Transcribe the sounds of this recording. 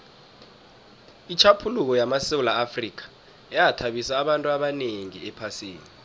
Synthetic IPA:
it͡ʃʰapʰuluk̬ɔjamaseulaafrik̬ʰḁ | ɛjatʰaɓisaːɓantʼuaɓaneŋḭɛpʰaseːni

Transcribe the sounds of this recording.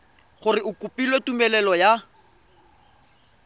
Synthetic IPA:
χʊrɪʊkʼupʼilwetumɛlɛlɔja

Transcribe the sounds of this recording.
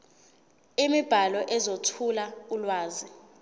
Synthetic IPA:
imib̥ʱalɔʔɛzotʰulaulwaːzi

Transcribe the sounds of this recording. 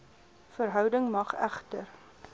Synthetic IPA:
fəɾɦœwdəŋmɐχæ̰χtər

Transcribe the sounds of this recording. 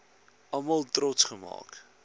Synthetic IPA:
ɐmɐlˠtrɔtsχəmɑ̰ːk

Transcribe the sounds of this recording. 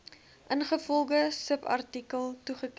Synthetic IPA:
ʔənχəfɔlˠχəsəpɐ̰rtikəlˠtuχək

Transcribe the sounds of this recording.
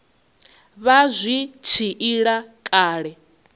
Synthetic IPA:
βazʷit͡ʃʰiʔiɺakʼaːɺɛ

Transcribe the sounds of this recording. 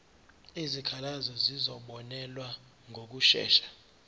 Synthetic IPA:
izikʰalazɔzizɔɓɔnɛlwa | ŋʱok̬uʃɛ̰ːʃḁ

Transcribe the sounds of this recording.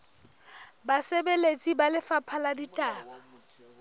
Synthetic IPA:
basebelet͡sʼibalɪfapʰaladitʼaːba

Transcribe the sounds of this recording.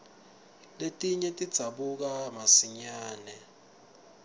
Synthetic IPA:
letʼiɲɛtʼid̥z̥ʱaɓuk̬amasiɲaːnɛ

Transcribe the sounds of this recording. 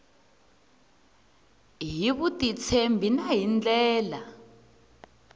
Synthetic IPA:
ɦiβutʼit͡sʰembʱinaɦind͡ɮɛːla

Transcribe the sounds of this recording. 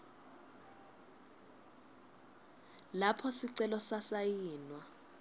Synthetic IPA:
lapʰɔsiǀɛlɔsasajiːnwa

